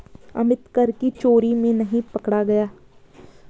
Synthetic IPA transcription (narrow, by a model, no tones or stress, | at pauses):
ɐ̰mɪt̪kɐɾkit͡ʃoːɾimẽnɐɦĩpɐkɽaɡɐjaː